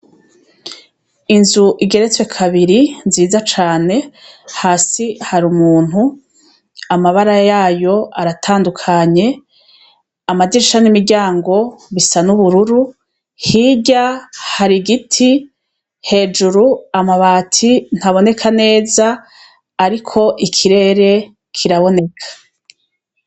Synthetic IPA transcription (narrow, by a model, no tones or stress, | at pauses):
inzuʔiɡe̞ɾe̞t͡swe̞kʰaβiɾinziːzat͡ʃaːne̞haːsihaɾumuːn̥hu | amaβaɾajaːjo̞aɾatʰaːndukʰaɲe̞ | amadiɾiʃanimiɾɟaːŋɡo̞βisanuβuɾuɾu | hiːɟahaɾiɡitʰi | he̞ːd͡ʒuɾuamaβaːtʰin̥haβo̞ne̞kʰane̞ːzaː | ɾikʰo̞ʔikʰiɾe̞ːɾe̞ | kʰiɾaβo̞ne̞kʰḁ